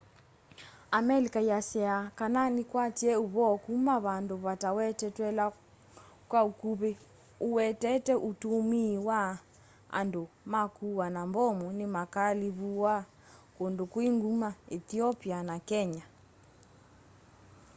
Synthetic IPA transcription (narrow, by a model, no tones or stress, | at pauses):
amɛlikaiasɛakananikwatiɛuβɔkumaβandoβatawɛtɛtwɛla | kwaukuβe | uwɛtɛtɛʔutumiwa | a̰ndomakuwanambɔmɔnimakaliβuwa | kondokwiŋɡumaɛθiɔpianakɛɲa